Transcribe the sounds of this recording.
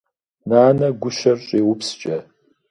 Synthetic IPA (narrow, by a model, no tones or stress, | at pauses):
naːnɐɡʷʊʃɐrɕʼeːwʊpst͡ʃʼɐ